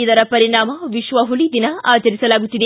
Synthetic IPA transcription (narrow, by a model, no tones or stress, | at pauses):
id̪ɐɾɐpɐɾiɳaːmɐʋiʃʋɐɦulid̪inɐaːt͡ʃɐɾisɐlaːɡut̪ːid̪e